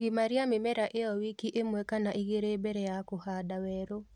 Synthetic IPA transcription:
ɡimaɾiamɪmɛɾaʔeɔwikiʔemwɛkanaʔiɣeɾeːbɛɾɛjakohadawɛɾo

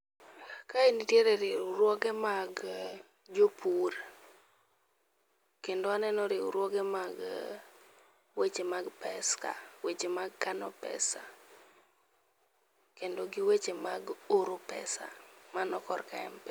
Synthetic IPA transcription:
kainitjeɾɛɾɪuɾwɔɡɛmaɡ | d͡ʒopʰuɾ | kendoanɛnɔɾɪṵɾwɔɡɛmaɡ | wet͡ʃemaɡpɛska̰wet͡ʃemaɡkanɔpɛ̰sa | kendoɡiwet͡ʃemaɡoɾopɛ̰sa̰manɔkɔrka̰ɛ̰mpɛ

